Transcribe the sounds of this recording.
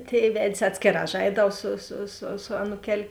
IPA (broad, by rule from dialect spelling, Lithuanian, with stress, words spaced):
ˈtʲeːɪ ˈʋʲɛtʲsʲ ˈɑːtʲsʲkʲeːˌrɑː ˈʒɐɪdɐʊ sʊ sʊ sʊ sʊ ˈɑːnuːkʲɛlʲ